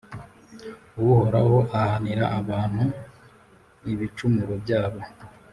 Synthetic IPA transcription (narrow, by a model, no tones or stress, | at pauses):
wuho̞ɾa̰ho̞ʔahaniɾaʔaβaːn̥hu | iβit͡ʃumuɾobjaːβo̞